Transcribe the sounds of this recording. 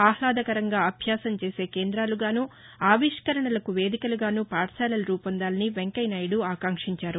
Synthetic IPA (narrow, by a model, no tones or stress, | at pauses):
aːhlaːd̪ɐkɐɾɐŋɡaːɐbʱjaːsɐmt͡ʃeːse̞ːkeːnd̪ɾaːluɡaːnuː | aːʋiʂkɐɾɐɳɐlɐkuʋe̞ːd̪ikɐluɡaːnuːpaːʈsaːlɐlɐɾuːpɐnd̪aːlɐniʋeŋkɐjnajɽuaːkaːŋkʂiɲt͡ʃaːɾu